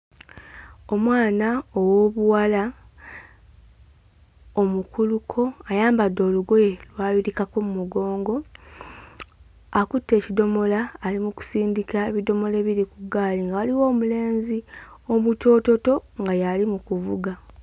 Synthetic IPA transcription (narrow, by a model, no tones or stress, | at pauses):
o̞mwaːnaowoβuwala | omukulukʰo̞ajaːmbadːo̞luɡojelwaːβiɾikako̞mumuɡo̞ːŋɡo̞ | akutːe̞ːcido̞mo̞laːlimuku̥siːndikaeβido̞mo̞le̞βiɾikuɡaːliŋɡawaliwo̞ːmule̞ːnzio̞muto̞ːto̞to̞ŋɡajalimukuvuɡa